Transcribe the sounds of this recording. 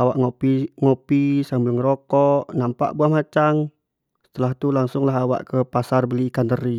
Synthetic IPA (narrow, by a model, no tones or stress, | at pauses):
awaʔŋopiŋopisambʊŋɾokɔʔnampa̰ʔbuahmat͡ʃaŋ | sə̥t̪əlaht̪ulaŋsʊŋlaɦawa̰ʔkəpasarbəlikand̪əɾi